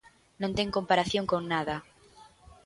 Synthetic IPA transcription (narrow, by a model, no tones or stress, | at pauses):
nõnt̪eŋkõmpaɾaθjoŋkoŋnaða